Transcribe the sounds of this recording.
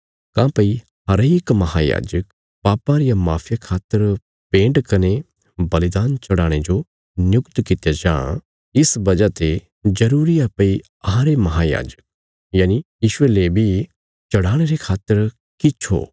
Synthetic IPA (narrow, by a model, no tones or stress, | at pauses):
kãːpɐi | ɦɐɾeːkmɐɦaja̰ːd͡ʒək | paːpãɾɪjamaːpʰjakʰaːt̪ːəɾ | pẽːɳɖkɐne | bɐlɪd̪aːnt͡ʃɐɽaːɽ̃ed͡ʒo | njʊkt̪kɪt̪jad͡ʒã̰ː | ɪsbɐd͡ʒat̪e | d͡ʒɐɾuːɾiapɐi | ɐɦãɾemɐɦaja̰ːd͡ʒək̚ | jaːnijiːʃʊelebʱi | t͡ʃɐɽaːɽ̃eɾekʰaːt̪ːəɾ | kɪt͡ʃʰo̰ː